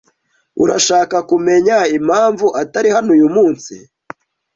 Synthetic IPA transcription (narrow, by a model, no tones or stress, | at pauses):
ṵɾaʃaːkakume̞ɲaimhaːɱvuʔataɾihanujumuːnsḭ